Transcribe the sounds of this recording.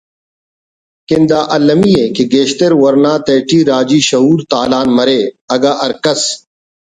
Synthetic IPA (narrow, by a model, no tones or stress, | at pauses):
kɪ̃nd̪aːʔɐlɐmijekeɡeːɕt̪eɾwɐɾnaːt̪eːʈiːɾaːd͡ʑiːɕɐɦuːɾt̪aːlaːnmɐɾeːɐɡaːʔɐɾkɐs